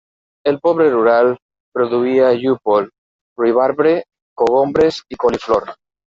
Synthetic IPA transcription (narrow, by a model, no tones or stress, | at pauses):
elpoβ̞ɾeruɾal | pɾoðuiaʎupol | riβ̞aɾβɾe | koɣ̞ombɾesikolifloɾ